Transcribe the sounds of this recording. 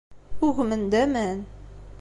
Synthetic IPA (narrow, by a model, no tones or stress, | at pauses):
uɣmə̆nd̪æmæn